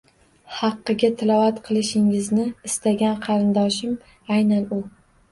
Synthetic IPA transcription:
hɑqːɨɡʲat̪ʰɪlˠɒvat̪qʰɨlˠɪʃɪŋɪznɪɪst̪aɡʲanqʰɑɾɪnd̪ɒʃɪm | ajnanʊ

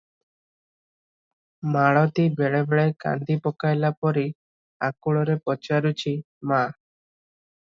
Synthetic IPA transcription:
maɭɔt̪ibeɭebeɭeka̰nd̪ipɔkajlapɔɾi | akuɭɔɾepɔt͡ʃaɾut͡ʃʰi | ma

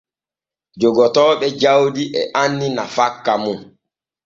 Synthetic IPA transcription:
d͡ʒɔɡɔtɔːɓɛd͡ʒawdiʔɛʔanːinafakːamun

